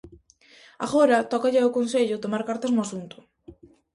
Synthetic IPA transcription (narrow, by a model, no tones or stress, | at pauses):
a̰ɣoɾat̪ɔkaʎaokonseʎʊt̪omaɾkaɾt̪aznʊasunt̪ʊ̥